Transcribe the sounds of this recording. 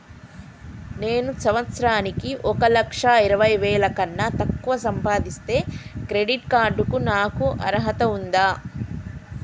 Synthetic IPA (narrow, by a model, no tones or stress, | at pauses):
neːnusɐʋɐt̪sɾaːnikiʔɔkɐlɐkʂaiɾɐʋɐjʋɛːlɐkɐnːɐt̪ɐkːuʋɐsɐmpaːd̪ist̪e̞ːkɾeɖiʈkaːɾɖukunaːkuʔɐɾɐɦɐt̪ɐund̪aː